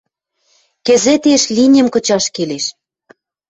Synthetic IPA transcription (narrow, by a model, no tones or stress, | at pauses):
kĕzĕt̪eʃlʲinʲə̆mkɤ̆t͡ɕɑʃkeleʃ